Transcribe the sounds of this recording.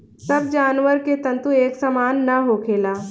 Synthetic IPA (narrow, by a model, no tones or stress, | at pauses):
sɐbd͡ʒaːnʋəɾket̪ɐ̃nt̪ueːksamaːnːɐɦokʰeːlaː